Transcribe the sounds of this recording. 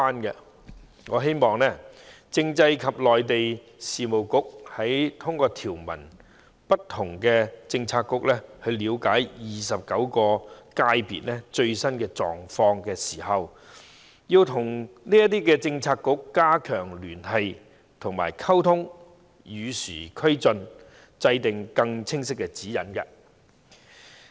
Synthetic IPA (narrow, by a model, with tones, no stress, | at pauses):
aː˥nkɛ˧ | ŋɔː˨˧ɦe˥jmɔː˨ŋnɛ˥ | t͡sɪ˧ŋt͡sɐ˧jkʰɐ˨p̚lɔː˨jt̪e˨j | siː˨mo˨˩wkʊ˥k̚hɐ˨˥jt̪ʰʊ˥ŋkɔː˧t̪ʰiː˨˩wmɐ̰˨˩n | pɐ˥t̪ʰːʊ˨˩ŋkɛː˧t͡sɪ˧ŋt͡sʰaː˧t̚kːʊ˥k̚lɛ˥hɵ˧ɥliː˨˧wkaː˨˥jjiː˨sɐ˨p̚kɐ˨˥wkɔː˧kaː˧˥jpḭː˨t̚lɛ˥t͡ʃɵ˧ɥsɐ˥nkɛː˧t͡ʃɔ̰ː˨ŋfɔː˧ŋkɛː˧siː˨˩hɐ˨w | jiː˧wt̪ʰʊ˨˩ŋniː˥jɐ˥t̚t̪iː˥kɛː˧t͡sɪ˧ŋt͡sʰaː˧t̚kːʊ˥kːaː˥kʰœː˨˩ŋlyː˨˩nhɐ˨j | t̪ʰʊ˨˩ŋma̰ː˨˩jkʰɐ˥wt̪ʰʊ˥ŋ | jyː˨˧syː˨˩kʰɵ˥ɥt͡sɵ˧n | t͡sɐ˧jt̪ɪ˨ŋkɐ˧ŋt͡sʰɪ˥ŋsɪ˥kːɛ˧t͡siː˨˥jɐ˨˥nkɐ˧